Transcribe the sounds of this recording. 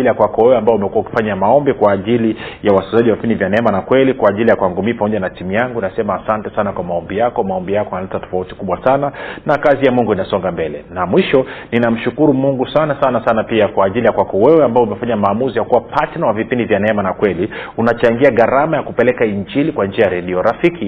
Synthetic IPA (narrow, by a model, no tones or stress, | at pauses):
ilijakwakɔwɛwɛambajɔumɛkuwauki̥faɲamaɔmbikwaːʄilijawaszaʄiwavipindivjanɛɛmanakwɛlikwaːʄilijakuaŋɡumiːpamɔʄanatimujaŋɡuinasɛmaːsantɛsanakwamaɔmbijakɔmaɔmbijakɔanalɛtatɔ̥fauti̥kuɓwasananakazijamuŋɡuinasɔŋɡambɛlɛ̰namwiʃɔninam̩ʃukuɾumuŋɡusanasanasanapiakwaːʄilijakwakɔwɛwɛambaɔumɛfaɲamaːmuzijakuwapʰatnawavipindivjanɛɛmanakwɛliunat͡ʃaŋɡiaɣaɾamajakupɛlɛkaiɲt͡ʃinikwand͡ʒiajaɾɛɗiɔɾafiki